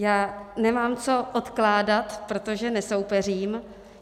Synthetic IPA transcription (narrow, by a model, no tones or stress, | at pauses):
jaːnɛmaːmt͡so̞ʔot̪klaːdat̪pɾot̪o̞ʒɛnɛso̞wpɛriːm